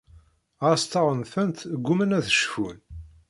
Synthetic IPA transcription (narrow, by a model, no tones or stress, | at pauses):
ɑst̪ɑʁˤənθənt̪ɡːumənæθə̥ʃfun